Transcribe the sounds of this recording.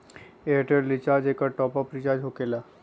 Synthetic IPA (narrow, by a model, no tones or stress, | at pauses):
eːʈeɾlɪt͡ʃaːd͡ʒekaʈɔːpapɾɪt͡ʃaːd͡ʒɦokela